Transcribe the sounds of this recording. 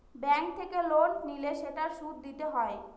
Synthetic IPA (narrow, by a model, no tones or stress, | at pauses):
bɛŋk̚t̪ʰekelonnileʃeʈaɾʃud̪̚d̪it̪eɦɔe